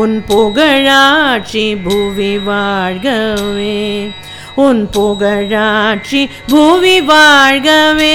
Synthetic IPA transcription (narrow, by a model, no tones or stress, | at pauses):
unpoɡɐɻaːʈʂibʱuːʋiʋaːɻɡɐʋe | unpoɡɐɾaːʈʂi | bʱuʋiʋaːɻɡɐʋe